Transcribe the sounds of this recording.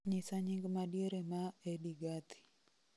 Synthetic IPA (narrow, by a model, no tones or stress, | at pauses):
ɲɪsaɲɪŋɡmadjeɾemaediɡat̪i̥